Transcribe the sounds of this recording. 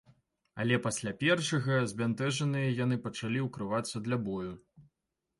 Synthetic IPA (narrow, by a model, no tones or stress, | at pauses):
ɐ̰lʲɛpasʲlʲapʲɛrʂɐɣɐzʲbʲant̪ɛʐɐnɨjɐjan̪ɨpɐt͡ʂalʲiwkɾɨvat̪sːɐd̪lʲabɔju